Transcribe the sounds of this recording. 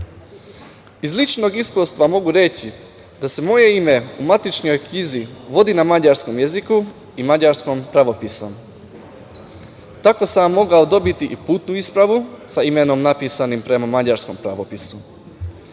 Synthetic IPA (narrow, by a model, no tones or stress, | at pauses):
izlit͡ʃno̞ɡiskust̪ʋamo̞ɡuɾe̞t͡ɕi | d̪ase̞mo̞je̞ime̞umat̪it͡ʃɲo̞jkɲiziʋo̞d̪inamad͡ʑaɾsko̞mjeziku | imad͡ʑaɾsko̞mpɾaʋo̞piso̞m | t̪ako̞samːo̞ɡaod̪o̞bit̪iʔipuːt̪nuispɾaʋusaime̞no̞mnapiːsanimpɾe̞mamad͡ʑaɾsko̞mpɾaʋo̞pisu